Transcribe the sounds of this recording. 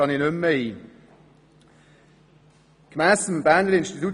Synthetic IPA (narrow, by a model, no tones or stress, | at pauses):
ɑninʏmːəiː | kmæːsəmbæːnləɾɪnʃtitu